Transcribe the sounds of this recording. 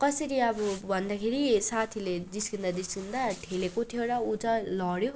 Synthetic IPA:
kʌsʌɾiʌbʌbʱʌnd̪akʰeɾisat̪ʰiled͡zisɡind̪ad͡z̪isɡind̪aʈʰelekot̪ʰjoɾʌut͡sʌ̃lʌɽjo

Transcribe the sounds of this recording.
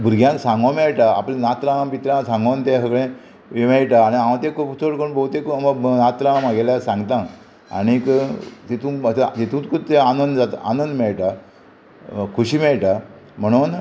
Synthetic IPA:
bʱuɾɡjãŋksãŋɡãmɛɭʈaa̰plenat̪ɾãpit̪ɾãsãŋɡont̪ɛ̃ɦəɡɭẽ | ʋemɛɭʈaːɽ̃iãʋãt̪ẽkot͡sʰoɽkəɳbʱot̪ekməɡnat̪ɾãmaɡelasãŋɡt̪ã | a̰ɽ̃ikt̪et̪ũːət̪d͡ʑet̪ũːt͡skut̪ɛ̃anənd̪d͡zat̪a̰nənd̪mɛɭʈa | kʰuɕiːmɛɭʈa | m̤əɽ̃uːn

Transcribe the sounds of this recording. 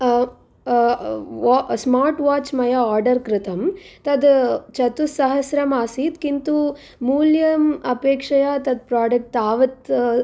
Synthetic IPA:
smaːɾʈʋaːt͡ʃmɐjɐaːɾɖɐɾkɾɪt̪ɐmt̪ɐd̪t͡ʃɐt̪usɐɦɐsɾɐmaːsiːt̪kint̪u | muːljɐmɐpeːkʂɐjat̪ɐd̪̚pɾaːɖɐk̚ʈaːʋɐt̪

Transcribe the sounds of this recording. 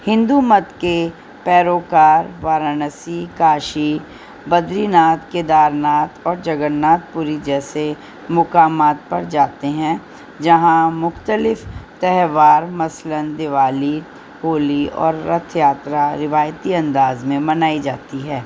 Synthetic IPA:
hɪ̃nd̪umɐt̪ke | pɛːɾoːkaːɾʋaːɾənəsikaːʃi | bɐd̪ɾiːnaːt̪ked̪aːɾnaːt̪ɔːɾd͡ʒɐɡənːaːt̪̚puːɾid͡ʒɛːse | mʊkaːmaːt̪̚pɐɾd͡ʒaːt̪eɦɛ̃ | d͡ʒɐɦãmʊxt̪əlɪft̪ɛɦʋaːɾmɐslənd̪ɪʋaːli | hoːliɔ̰ːɾːɐt̪ʰjaːt̪ɾaɾɪʋaːjt̪iɐ̃nd̪aːzmẽmɐnaːid͡ʒaːt̪iɦɛː

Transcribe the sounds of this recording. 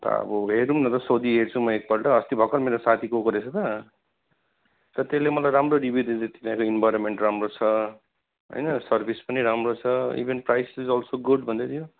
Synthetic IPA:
t̪ʌ̰ʌ̰bʌɦeɾumnʌt̪ʌsod̪iɦeɾt͡sʰũmʌek̚bʌɽʈʌɦʌst̪ibʱʌkʌɾmeɾosat̪ʰikokʌɾet͡sʰʌt̪ʌ | t̪ʌt̪eslemʌlajɾamroɖibʱid̪end͡zet̪ipãj̃koinbajɾonmeɳʈramrot͡sʰʌ | ɦʌ̰jnʌsʌrbʱispʌniɾamrot͡sʰʌḭbʱenprajsizʌlsoɡuɖbʱʌnd̪et̪ʰijo

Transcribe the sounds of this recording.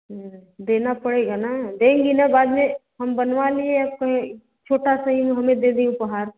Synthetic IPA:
d̪eːnapəɽeɡanad̪ẽːŋɡinabaːd̪meɦəmbənʋalieəb̚kəɦẽ | t͡ʃʰoːʈasaɦimẽɦɐmẽd̪ed̪iʊpəɦaːɾ

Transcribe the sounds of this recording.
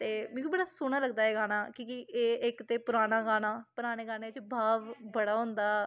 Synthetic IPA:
t̪eːmɛ̃ːkibəɽaːsʊɽ̃ãːləɡd̪aːɛːɡaːnaːkõːkiʔeːɪkt̪eːpʊɾaːnaːɡaːnaːpʊɾaːɽ̃eːɡaːnẽːɪt͡ʃbʱaːʋbəɽaːɦʊ̃nd̪aː

